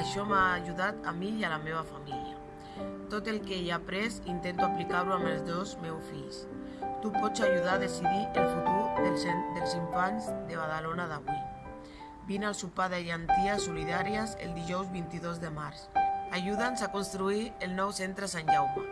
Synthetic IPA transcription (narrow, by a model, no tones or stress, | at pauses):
aʃɔmaːʒuðat̪amijalameβ̞afamilja̰ | t̪ot̪elkejapɾezint̪ent̪uaplikaɾɾuaməlzðozmewsfiʎs | t̪upɔt͡saʒuðaðesiðiʔelfut̪uɾðeld̪elziɱfanzðeβ̞aðalonaðaɣwin | binalˠsupaðeʎant̪iasːuliðaɾiazḛld̪iʒɔwzβint̪iðozðemaɾsaʒuðanzakonst̪ɾuielnɔwsent̪ɾesanʒawma